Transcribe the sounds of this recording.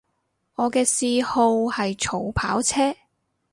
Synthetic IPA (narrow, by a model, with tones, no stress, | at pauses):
ŋɔː˨˧kɛː˧siː˧ho˧whɐ˨jt͡ʃʰo˨˥˩wpʰa̰ː˨˥wt͡sʰɛː˥